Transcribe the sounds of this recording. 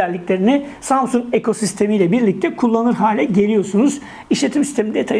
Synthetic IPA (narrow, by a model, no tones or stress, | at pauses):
ælʲːiclʲe̞ɾinɪ | samsuŋke̞kʰo̞sist̪ʰe̞mijlʲɛbiɾlʲic̚t̪ʰɛkʰulˠːanɯɾɦaːlʲɛɟe̞lʲijo̞sunuz | iʃlʲe̞t̪ʰimsist̪ʰe̞mind̪et̪ʰa